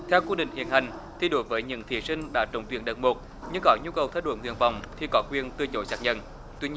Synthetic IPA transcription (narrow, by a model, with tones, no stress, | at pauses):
t̪ʰɛ˧wku˧ɗḭ˧˨ŋ̟hḭ˧˨ənha˨˩jŋ̟ | t̪ʰi˨˩ɗo˨˦jvəː˨˦jɲɨ̰˧˥ŋt̪ʰi˧˩sï˧ŋ̟ɗa̰ː˧˥t͡ɕə˨˦ŋ͡mt̪wi˧ənɗə̰˨˧˩ŋ̚mo˨˩t̚ | ɲɨ˧ŋkɔ˨˦ɲu˧kə˨˩wt̪ʰə˧j̚ɗo̰˧˦nŋḭ˧˩ənva˨˩wŋ͡mt̪ʰi˨˩kɔ˨˦kwi˧ənt̪ɨ˧ət͡ɕo˨˦jsaː˨˥k̚ɲə̰˧˨n | t̪wi˧ɲ˧